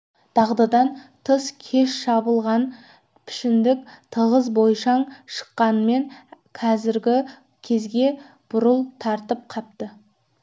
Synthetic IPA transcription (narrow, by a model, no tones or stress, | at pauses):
d̪̥ɑʁd̪ɑd̪ɑnt̪ʰəskʲʰe̞ʃʃɑbəlˠʁɑn | pʰɪ̥ʃɪnd̪ɪk̚ʲt̪ʰəʁəzbo̞jʃɑɴʃə̥qːɑnəme̞ŋ | qʰɑzɪɾɡʲɪ | kʲʰe̞zɡʲe̞ | b̥ʊɾəlˠt̪ʰɑɾt̪əp̚qʰɑp̚t̪ə